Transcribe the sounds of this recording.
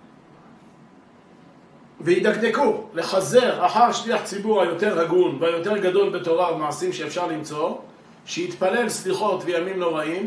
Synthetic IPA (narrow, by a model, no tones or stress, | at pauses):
vehid̪akd̪e̞kule̞χaze̞ʁaħaʁʃliaħt͡sibuʁhajo̞t̪e̞ʁːaɡunveajo̞t̪e̞ʁɡad̪o̞lbe̞t̪o̞ʁabemaʕasimʃeːfʃaʁlimt͡so̞ | ʃehit̪pale̞lsliχo̞t̪vejamimno̞ʁaim